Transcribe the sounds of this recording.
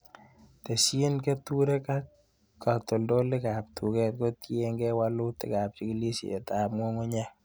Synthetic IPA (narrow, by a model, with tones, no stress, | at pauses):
te˨si˦nke˦tu˦ɾe˦ka˦k | kːa˨to˨ldo˦lɪ˦ka˨p̚tʰu˨kɛ˦t̚ko˦te˦ŋɡɛ˦wa˦lʊ˦tɪ̰˦ka˨p̚t͡ʃi˦ki˦li˦sḛ˨ta˨p̚mo˦ŋo˦ɲɛ˦